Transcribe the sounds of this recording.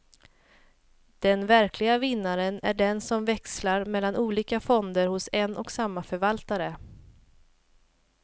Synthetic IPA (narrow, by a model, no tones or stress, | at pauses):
d̪̥ɛnvæɾkʰlɪɡavɪnːaɾənæ̰ɖɛnsɔmvɛkslaɾmɛlːanʔuːliːkafɔnd̪əɾhʊsɛnʔɔksamːafœɾvalt̪aɾə